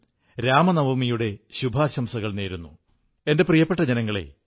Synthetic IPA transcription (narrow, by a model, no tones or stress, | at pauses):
ɾaːmɐnɐʋɐmijuɽe̞ɕubʱaːɕɐmsɐɣɐɭneːɾunːu | e̞nde̞prijɐpːe̞ʈːɐd͡ʑɐnɐŋːɐɭe̞̰